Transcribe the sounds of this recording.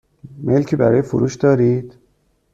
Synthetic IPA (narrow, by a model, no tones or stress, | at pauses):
melcʰiːbæɾɒːjefoɾuːʃd̪ɒːɾiːd̪̥